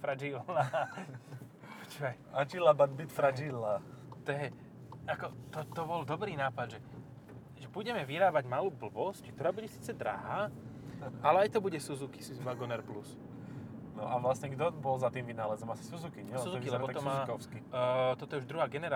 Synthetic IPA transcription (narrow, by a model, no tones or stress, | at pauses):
fɾad͡ʒila | pɔt͡ʃʋɛ | at͡ʃilabad̪bit̪fɾad͡ʒilat̪ɔjɛ | akɔt̪ɔt̪ɔbɔld̪ɔbɾiːnaːpad̪ʒɛ | ʒɛbuɟɛmɛʋiɾaːbaɟmaluːbl̩ʋɔsckt̪ɔɾaːbuɟɛsi̥ːt͡sɛd̪ɾa̰ɦaː | ʔalɛajt̪ɔbuɟɛsuzuki̥siʋaɡɔnɛɾplus | nɔ̰ʔaʋlasɲɛɡd̪ɔbɔlzat̪iːmʋinaːlɛzɔmasi̥suzukiɲɛlsɛuzukilɛbɔt̪ɔmaːkɔskit̪ɔt̪ɔɛuʒd̪ɾuɦaːɡɛnɛɾa